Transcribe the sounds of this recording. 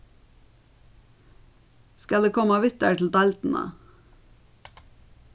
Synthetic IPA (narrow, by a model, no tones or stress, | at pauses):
skɑld̪eːkʰɔmɑʋɪt̪əʈl̩d̪ɑlt̪n̩ə̰